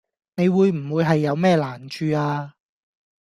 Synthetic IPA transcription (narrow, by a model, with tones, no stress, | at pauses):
ne˨˧jwuː˨˧jm̩˨˩wuː˨˧jɦɐ˨jːɐ˨˧wmɛː˥˧laː˨˩nt͡ʃʰyː˧aː˧